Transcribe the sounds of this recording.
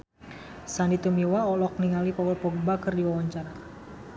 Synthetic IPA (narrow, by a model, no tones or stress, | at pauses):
sandit̪umiwaɔlɔk̚niŋalipɔɡlpɔɡbakɨrdiwawaɲt͡ʃara